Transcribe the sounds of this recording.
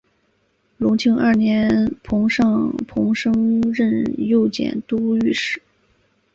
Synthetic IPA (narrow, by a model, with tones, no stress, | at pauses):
lʊ˧˥ŋt͡ɕʰi˥ŋʔə˥˩njɛ˧˥nnpʰʊ˧˥ŋʂɑ˥˧ŋpʰʊ˧˥ŋʂɤ˥ŋɻə˥˧njo˥˩ʊt͡ɕjɛ̰˨˩nt̪u˥y˥˩ʂɻ̩˥˩˦